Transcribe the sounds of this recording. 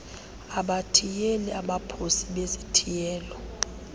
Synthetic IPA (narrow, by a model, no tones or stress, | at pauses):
aɓatʰijelɛaɓapʰosiɓezitʰijɛːlɔ